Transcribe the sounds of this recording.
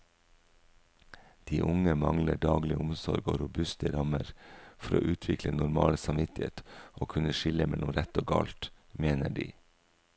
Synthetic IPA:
d̪̥iːʔʊŋəmɑŋləɖɑːɡlɪʊmsɔɾɡo̰ːɾʊbʉst̪əɾɑməɾfɔɾo̰ːʔʉːt̪ʰʋɪklənʊɾmɑːləsɑmʋɪt̪ɪhḛːt̪ʔoːkʰʉnəʃɪləmɛlʊmɾɛt̪oːɡɑ̰ːlt̪meːnəɖiː

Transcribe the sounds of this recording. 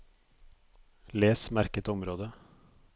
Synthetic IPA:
leːsmæɾkət̪ɔmɾoːd̪ə

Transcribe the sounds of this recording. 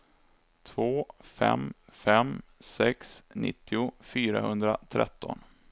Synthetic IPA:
t̪ʰvoːfɛ̰mfɛmsɛksnɪ̰t̪ːɪʊfyːɾahɵnd̪ɾat̪ʰɾɛ̰t̪ːɔn

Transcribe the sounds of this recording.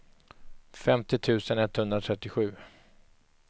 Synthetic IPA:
fɛmt̪ɪt̪ʰʉ̟ːsənɛt̪ːhɵnd̪ɾat̪ʰɾɛt̪ːɪɧʉ̟ː

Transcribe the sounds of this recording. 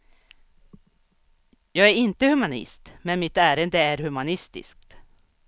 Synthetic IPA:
jɑːɡæɾɪnt̪əhɵmanɪ̰st̪mɛnmɪt̪æːɾənd̪əæɾhɵmanɪst̪ɪ̰skt̪

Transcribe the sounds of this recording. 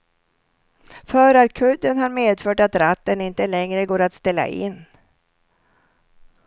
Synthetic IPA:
fœːɾaɾkʰɵd̪ːənhaɾmeːd̪fœːʈat̪ɾat̪ːənɪnt̪əlɛŋɾəɡoːɾat̪st̪ɛlːa̰ʔɪ̰nː

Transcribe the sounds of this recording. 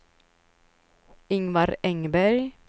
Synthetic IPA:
ɪŋʋɑɾɛŋbæɾj

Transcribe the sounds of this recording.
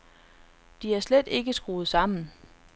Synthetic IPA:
d̥iæɐsled̥e̝ɡ̥əsɡ̥ʁoːð̩ˠsɑ̈m̰n̩

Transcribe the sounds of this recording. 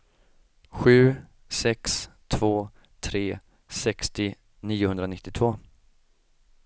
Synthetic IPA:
ɧʉ̟ː | sɛkst̪ʰv̥oː | t̪ʰɾeː | sɛkst̪ɪ | niːʊhɵndɾanɪt̪ːɪt̪ʰvoː

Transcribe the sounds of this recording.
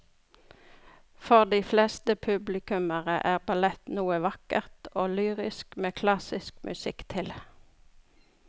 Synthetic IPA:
fɔʁd̪iːfleːst̪əpʰʉblɪkʉməʁəʔæːʁbɑlɛt̪nuːəʋɑkəʁt̪oːlyːʁɪskmeːkʰlɑsɪskmʔʉ̰sɪkt̪ʰɪl

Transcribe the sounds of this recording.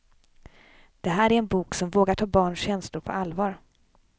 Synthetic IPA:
d̪̥ɛɦæːɾæɾɛnbuːksɔmvoːɡaʈʰɑːbɑːɳɕɛnslʊɾpʰɔ̰alvɑːɾ

